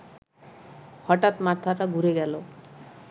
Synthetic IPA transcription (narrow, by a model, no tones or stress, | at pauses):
hɔʈat̪mat̪ʰaɾaɡʱuɾeɡɛlo